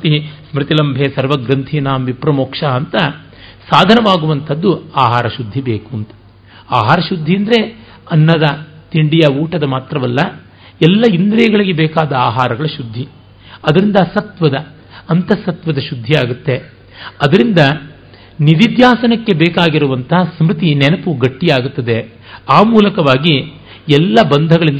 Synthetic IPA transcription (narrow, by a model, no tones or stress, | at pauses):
t̪ismɾit̪ilɐmbʱesɐɾʋɐɡɾɐnt̪ʰinaːmʋipɾɐmoːkʂaɐnt̪ɐ | saːd̪ʱɐnɐʋaːɡuʋɐnt̪ʰɐd̪ːuaːɦaːɾɐʃud̪ʱːibeːkuɐnt̪ɐ̥ | aːɦaːɾɐʃud̪ʱːiɐnd̪ɐɾe̞ | ɐnːɐd̪ɐt̪iɳɖijɐuːʈɐd̪ɐmaːt̪ɾɐʋɐlːɐ | ɛlːɐind̪ɾɐjɐɡɐɭiɡebɛːkaːd̪ɐaːɦaːɾɐɡɐɭɐʃud̪ʱːi | ɐd̪ɐɾind̪ɐsɐt̪ʋɐd̪ɐː | nt̪ɐsɐt̪ʋɐd̪ɐʃud̪ʱːiaːɡut̪ːe̞ | ɐd̪ɐɾind̪ɐ | nid̪id̪jaːsɐnɐkːe̞bɛːkaːɡiɾuʋɐnt̪ʰɐɦɐsmɾit̪inɛnɐpuɡɐʈːijaːɡut̪ːɐd̪e̞ | aːmuːlɐkɐʋaːɡi | ɛlːɐbɐnd̪ʱɐɡɐɭind̪